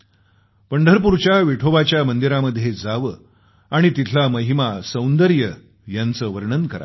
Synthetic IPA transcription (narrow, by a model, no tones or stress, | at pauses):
pəɳɖʱəɾpuɾt͡ɕjaʋiʈʰoʋat͡ɕjamənd̪iɾaməd̪ʱːjed͡zaʋə | aɽ̃it̪it̪ʰlaməɦimasə̃wnd̪əɾjə | jant͡səːʋəɾɳənkəɾa̰